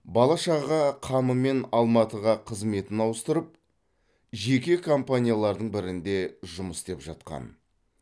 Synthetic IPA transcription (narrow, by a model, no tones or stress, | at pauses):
bɑlˠɑʃɑʁɑqʰɑməme̞nɑlˠmɑt̪əʁɑqʰəzme̞t̪ɪnɑwəst̪əɾəp̚ | ʒe̞kʲe̞kʰompanʲijalˠɑɾd̪əɴbɪɾɪnd̪e̞ʒʊməsd̪e̞pʒɑt̪̚qɑ̰n